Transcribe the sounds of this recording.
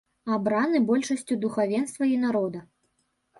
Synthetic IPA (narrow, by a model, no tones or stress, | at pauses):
abɾanɨbɔlʲʂɐsʲt͡sʲud̪uxavʲɛnst̪vɐinaɾɔd̪ɐ